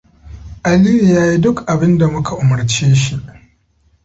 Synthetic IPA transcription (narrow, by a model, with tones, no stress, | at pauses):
ʔa˨liː˦ji˨jaː˦ji˦dʊ˦kʔa˨bɪ˦nda˨mʊ˦kʰa˨ʔʊ˨mɐ˨ɾt͡ʃeː˦ʃi˨ʔ